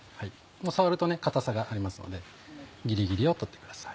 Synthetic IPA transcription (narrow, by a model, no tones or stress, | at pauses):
hai | moːsaβaɾɯ̟t̪o̞ne̞kat̪asaɡaʔaɾʲimasɨno̞̰d̪e̞ | ɡʲiɾʲiɡʲiɾʲio̞t̪o̞t̪ːekɯ̟d̪̥asḁi̥